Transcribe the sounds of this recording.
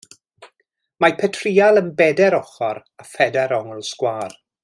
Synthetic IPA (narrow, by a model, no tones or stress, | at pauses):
mapʰɛtʰriːalˠənbɛdɛɾɔχɔɾ | afɛdɛɾɔŋlˠskwaːr